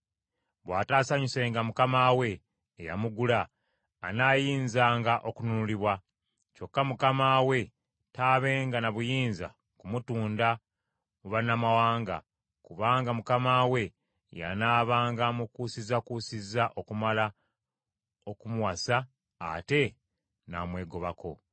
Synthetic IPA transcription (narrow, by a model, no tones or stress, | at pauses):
βwaːtaːsaɲuse̞ːŋɡamukamaːwe̞ː | ja̰muɡulaː | naːjiːnzaːŋɡaʔo̞kununuliβwa | co̞kːamukamaːwe̞ | taːβe̞ːŋɡanaβujiːnza̰ | kumutuːnda | uβanamawaːŋɡa̰ | kuβaːŋɡamukamaːwe̞ | ja̰naːβaːŋɡamukuːsizakuːsizaʔokumala | okumuwasa̰ː | te̞ | na̰ːmwe̞ːɡo̞βako̞